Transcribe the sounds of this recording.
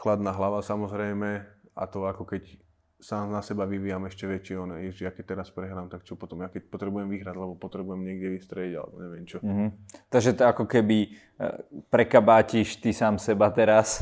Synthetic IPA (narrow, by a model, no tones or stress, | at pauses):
xlad̪naɦlaʋasamɔzɾɛjmɛa̰t̪ɔakɔkɛc | saːmnasɛbaʋiʋiːjamɛʃcɛʋɛt͡ʃɪɛɔnɛɛʒjakɛc̚t̪ɛɾaspɾɛɦɾaːmt̪akt͡ʃɔpɔt̪ɔmjakɛc̚pɔt̪ɾɛbujɛmʋiɦɾaɟlɛbɔpɔt̪ɾɛbujɛmɲɪɛɡd̪jɛʋist̪ɾɛiɟa̰lɛ̰bɔɲɛʋɪɛmt͡ʃɔɦ̩t̪aɡʒɛt̪akɔkɛbi | pɾɛkabaːciʃt̪isaːmsɛbat̪ɛɾas